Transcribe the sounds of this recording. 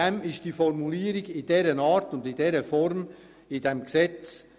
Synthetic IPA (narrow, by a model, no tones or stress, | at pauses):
ɛmɪʃtd̥iːfɔɾmuliːəɾɪɡɪdɛːɾənɑːɾtʊndɪdɛːɾəfɔɾm | ɪdɛmksɛt͡s